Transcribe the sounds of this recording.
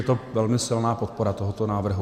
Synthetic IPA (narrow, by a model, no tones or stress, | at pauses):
ɛt̪ovɛlmɪsɪlnaːpot̪̚poɾat̪oɦot̪onaːvr̩ɦu